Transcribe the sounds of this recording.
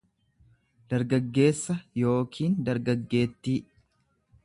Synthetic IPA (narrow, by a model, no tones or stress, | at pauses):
d̪̥ɐɾɡɐɡːe̞ːsːɐjo̞ːkʰiːnd̪ɐɾɡɐɡːe̞ːt̪ːiː